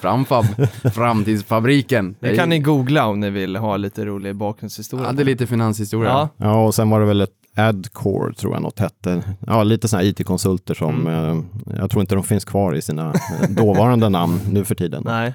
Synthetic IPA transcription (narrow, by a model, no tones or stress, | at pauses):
fɾa̰mfalfɾamt̪iːd̪sfabɾiːkənɛkanːɪɡuːɡlaɔmnɪvɪlɦɑːliːt̪əɾuːlɪɡbɑːk̚ɾɵnshɪst̪uːɾɪad̪ɛliːt̪əfɪnanshɪst̪uːɾɪajɑːɔsɛnvaɖɛvɛlɛt̪ | æd̪kʰɔ̰ːɾt̪ʰɾṵːja̰nɔ̰t̪ːhɛt̪ːəjɑːliːt̪əsɔnæːɾiːt̪ʰekʰɔnsɵlt̪əʂɔm | j̰ɡt̪ɾuːɪnt̪əd̪ɔmfɪnskʰvɑːɾɪ̰siːnad̪oːvɑːɾand̪ənamnːʉ̟ːfœʈʰiːd̪ə̰n